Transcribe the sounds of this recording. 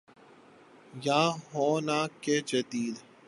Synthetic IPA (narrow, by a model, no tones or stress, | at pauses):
jãːɦoːnaːkeːt͡ʃət̪iːd̪